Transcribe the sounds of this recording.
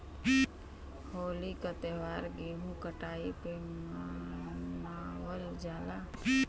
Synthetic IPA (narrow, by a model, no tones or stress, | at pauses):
hoːlikət̪eʋaːɾɡeɦũkəʈaːipe | mawəld͡ʒaːla